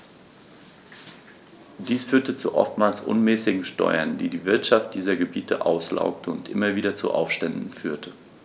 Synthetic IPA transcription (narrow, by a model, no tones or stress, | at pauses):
d̥iːsfyːɐtət͡suʔɔ̰ftmaːlsʔʊ̰nmɛːsɪɡŋ̩ʃtɔ̰ʏɐndḭːdiːvɪɐtʃaft̚d̥iːzɐɡəbiːtʰəʔaʊsla̰ʊk̚tʰəʊntʔɪmɐviːdɐt͡sṵʔa̰ʊfʃtɛndn̩fyːɐtʰə